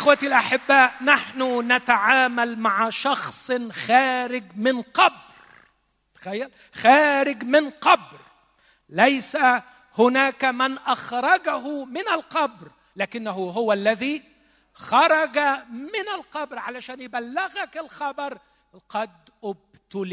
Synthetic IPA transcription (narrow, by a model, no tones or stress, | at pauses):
ʔɪxwat̪alʔaħɪbːaːʔnaħnʊnat̪aʕaːmalmaʕaʃɑxsˤxaːɾɪɡmɪnqɑb | ɾ | t̪ḁxajːal | xaːɾɪɡmɪnqɑbɾ | lajsa | hʊnaːkamɪnʔaxɾˤɑɡaɦʊmɪnalqɑbɾ | laːkɪnːaɦʊɦʊwalːaðiː | xɑɾˤɑɡamɪnalqɑbɾʕalaʃaːnjɪbalːɪɣakɪlxɑbɑɾˤ | qɑd̪ | ʔʊb̚ | t̪ʊl